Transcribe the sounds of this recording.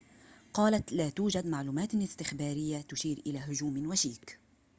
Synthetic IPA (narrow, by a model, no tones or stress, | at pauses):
qɑːlat̪laːt̪uːd͡ʒad̪maʕluːmaːt̪ɪst̪ɪxbaːɾɪjːat̪ʊʃiːɾʔɪlaːɦʊd͡ʒuːmnwaʃiːk